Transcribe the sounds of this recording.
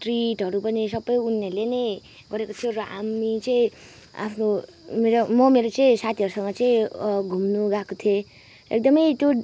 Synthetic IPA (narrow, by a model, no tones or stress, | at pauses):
ʈriʈɦʌɾupʌnisʌbːʌjunːʌlenʌj | ɡʌɾekot̪ʰjoɾamit͡sʌĩ | a̰pʰno | meɾomʌmeɾot͡saĩsat̪ʰiʌɾusʌŋɡʌt͡saĩɡʱumnuɡakot̪ʰjo | ḛk̚d̪ʌmʌjt̪jo